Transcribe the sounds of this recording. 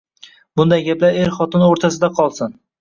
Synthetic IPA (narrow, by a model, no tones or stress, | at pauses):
bʊnd̪ajɡʲaplaɾeɾχɒt̪ʰɪnoɾt̪ʰas̬ɪd̪aqʰɒlˠsɪn